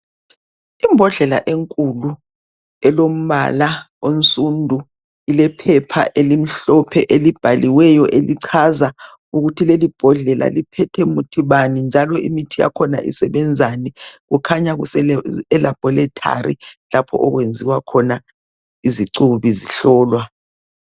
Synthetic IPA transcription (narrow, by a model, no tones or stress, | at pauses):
imbʱɔɮɛla̰ʔeŋkʼulu | ɛlom̩βa̰la | onsʼundʱu | ilɛpʰɛpʰa̰ʔelim̩ɬɔpʰɛʔelib̥ʱaliwɛjɔʔeliǀʰaza | uɣutʰilelib̥ʱɔɮɛlʔa̰lipʰɛtʰɛmutʰiβanind͡ʒʱalɔḭmitʰija̰kʰɔna̰ʔḭsɛβɛnd͡zʱaniɣukʰaɲaɣusɛɛlab̥ʱɔlɛtʰa̰ɾḭlapʰɔ̰ʔɔɣwend͡zʱiwakʰɔna | iziǀuβiziɬɔːlwa